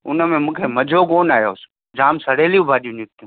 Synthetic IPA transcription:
ʊnəmẽmũːkʰeːmɐd͡ʑʱoːkoːnaːjoːs | d͡ʑaːmsɐɽ̤eːlijũbʱaːɗijũnɪk̚t̪ũ

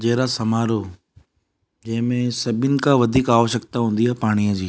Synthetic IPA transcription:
d͡ʑeːɾasɐmaːɾo | d͡ʑɐ̃ɦɪ̃mẽsɐbʱɪnɪ̆kãʋɐd̪ʱiːkaːʋəʃək̚t̪aɦũːnd̪iaːpaːɽ̃ijəd͡ʑiː

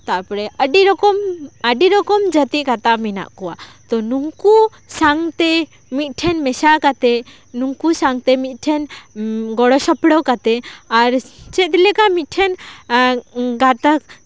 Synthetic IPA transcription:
t̪aʔpɾɛəɖiɾɔkɔməɖiɾɔkɔmd͡ʒət̪ikat̪amina̰ʔkɔwat̪ɔnuŋku | saŋt̪ɛ | mit̪̚ˀʈʰɛnmɛsakat̪ɛ | nuŋkusaŋt̪ɛmit̪̚ˀʈʰɛnɡɔɽɔsɔpɽɔkat̪ɛaɾt͡ʃɛt̪ilɛkamit̪̚ʈʰɛn | ɡat̪a

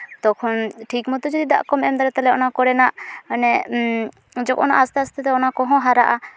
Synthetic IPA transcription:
d̪ɔkʰɔnʈʰik̚mɔt̪ud͡ʒɔd̪id̪a̰ʔkɔmɛmd̪aɾɛt̪ɛlɛɔnakɔɽɛnaʔənɛ | d͡ʒɔkʔɔnaʔast̪ɛast̪ɛt̪ɛɔnakɔɦɔ̃ɦaɾaʔa

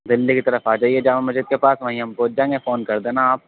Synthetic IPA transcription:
d̪ɪlːikit̪ɐɾəfaːd͡ʒaːied͡ʒaːmemɐzid̪̚kepaːsʋɐɦĩɦɐmpoːd͡ʒãːẽŋɡefoːnkɐɾd̪ẽːnaaːp̚

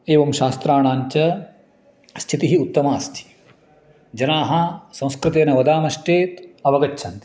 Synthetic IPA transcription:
eːʋɐmʃaːst̪ɾaːɳaːɲt͡ʃɐ | st͡ʃʰit̪iɦiut̪ːɐmaːst͡ʃʰi̥ | d͡ʒɐnaːɦɐsɐ̃w̃skɾɨt̪eːnɐʋɐd̪aːmɐʃʈeːt̪ɐʋɐɡɐtːʃʰɐnt̪i̥

